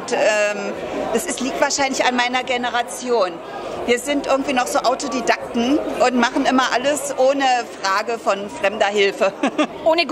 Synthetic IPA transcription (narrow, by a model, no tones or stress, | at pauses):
tɛːmd̥asɪstliːk̚tv̥aːɐʃaɪnlɪçanmaɪnɐɡenəʁat͡sjoːn | viːɐzɪntʔɪɐɡŋ̩tv̥iːnɔχz̥oːʔaʊtodidak̚tn̩ʔʊntmaχn̩ʔɪmɐʔaləsʔoːnəfʁ̥aːɡəfɔnfʁ̥ɛmdɐhɪlfəʔoːnəɡ